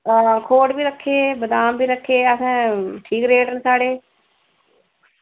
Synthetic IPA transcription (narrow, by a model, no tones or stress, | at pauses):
aːkʰoːʈbiːɾəkʰːeːbəd̪aːmbiːɾəkʰːeːəsãːʈʰiːkɾeːʈənsaːɽeː